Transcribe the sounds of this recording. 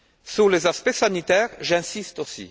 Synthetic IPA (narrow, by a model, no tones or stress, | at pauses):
sulezaspesanit̪ɛʁʒɛ̃sist̪osḭ